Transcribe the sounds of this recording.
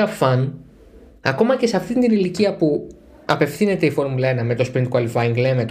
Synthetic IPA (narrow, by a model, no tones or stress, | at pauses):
ɐfɐn | ɐko̞mɐce̞seɐft̪int̪iniliciɐpu | ɐpe̞fθine̞t̪e̞ifo̞ɾmulɐenɐme̞t̪ospɾint̪kɐlfɐiŋɡle̞met̪